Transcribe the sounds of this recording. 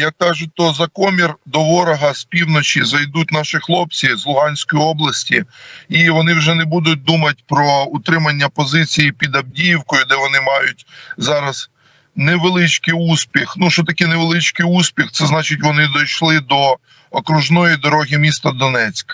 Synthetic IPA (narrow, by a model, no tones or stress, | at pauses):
jɐkːɑʒʊt̪ɔzɐkɔmʲird̪ɔʋɔɾɐɦɐsʲpʲiwnɔt͡ʃʲizɐjd̪ut̚ʲnɑʃɪxlˠɔp̚t͡sʲizlˠʊɦɑnʲsʲkɔjiɔblˠɐsʲtʲiiʋɔnɪwʒɛnebud̪ʊt̚ʲd̪umɐt̚ʲpɾɔʊt̪ɾɪmɐnʲːɐpɔzɪt͡sʲijipʲid̪ɐb̚dʲijiwkɔjʊd̪ɛʋɔnɪmɑjʊt̚ʲzɑɾɐz̥ | neʋelˠɪt͡ʃkɪjusʲpʲixnuʃɔt̪ɐkɪneʋelˠɪt͡ʃkɪjusʲpʲixt̪sɛznɑt͡ʃɪtʲʋɔnɪd̪ɔjʃlˠɪd̪ɔ | ɔkɾʊʒnɔjid̪ɔɾɔɦʲimʲist̪ɐd̪ɔnɛt͡sʲkɐ